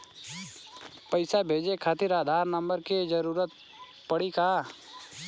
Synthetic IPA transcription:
pɐɪsabʱeːd͡ʒekʰat̪ɪɾaːd̪ʱaːɾnə̃mbəɾked͡ʒəɾuːɾət̪̚ | pəɽikaː

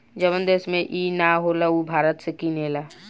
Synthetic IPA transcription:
d͡ʒəβənd̪eːsmẽʔinaɦolaubʱaːɾət̪sekineːla

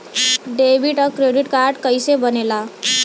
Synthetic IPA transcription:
ɖebʱiʈəkɾeɖiʈkaɾɖkəjsebənela

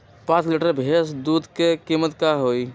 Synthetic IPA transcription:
pãt͡ʃliʈəɾbʱesd̪uːd̪kekimət̪kaɦoːi

